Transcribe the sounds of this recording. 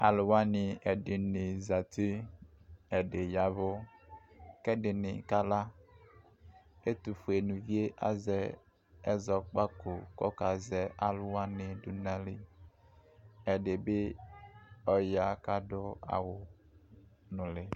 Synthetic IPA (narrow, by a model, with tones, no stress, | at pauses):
a̰˨lʊ˨wa˦nɪ˨ɛ˨dɪ˨nɪ˨za˨t̪i˦ | ɛ˨ɖe˨ja˨vʊ˦ | kɛ˦dɪ˨nɪ̰˨ka˦la˦ | e˦t̪u˨fu˨e˨nũ˨vi˦e˦ʔa̰˦zɛ˦ | ɛ˦zɔ˨k͡pa˦ko˨kɔ˦ka˨zɛ˦ʔa˨lʊ˦wa˦nɪ˨du˨na˦li˦ | ɛ˨de˨bɪ˦ | ɔ˨ja˨ka˦dʊ˦a̰˨wʊ˨ | nʊ̃˨lɪ˨